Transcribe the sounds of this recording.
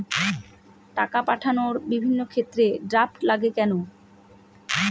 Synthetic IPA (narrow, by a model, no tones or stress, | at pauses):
ʈakapaʈʰanoɾbibʱinːokʰet̪ːɾeɖɾap̚ʈlaɡekɛno